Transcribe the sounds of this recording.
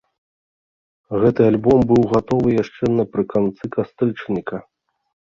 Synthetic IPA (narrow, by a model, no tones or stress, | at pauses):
ɣɛt̪ɨalʲbɔmbɨwɣat̪ɔvɨjaʂt͡ʂɛnɐpɾɨkant̪sɨkast̪ɾɨt͡ʂnʲikɐ